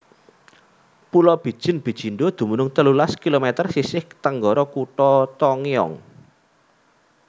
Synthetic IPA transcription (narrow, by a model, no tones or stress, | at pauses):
pulɔb̥i̤d̥ʒ̥ɪ̤nb̥i̤d̥ʒ̥i̤nɖod̪̥ṳmunʊŋt̪əlulaskilomɛt̪ərsisɪht̪əŋɡɔɾɔkuʈɔt̪ɔŋiɔ̰ŋ